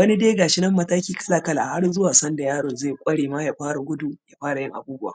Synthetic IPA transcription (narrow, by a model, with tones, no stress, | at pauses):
wɐ˦ni˦deː˦ɡaː˨ʃɪ˦nɐ˦mːɐ˦taː˦kʲiː˦kɐ̥˦laː˨kɐ˦la˨ha˦rzʊ˦waː˨sɐ˦nda˨jaː˦ɽoː˨nzeː˦˨jkʷʼɐ˦ɽeː˨ma˦jaː˨ɸaː˦ɽa˨ɡʷʊ˦duː˨jaː˨ɸaː˦ɽa˨jɪ˦ŋʔa̰˨buː˦bʊ˦wa̰ː˨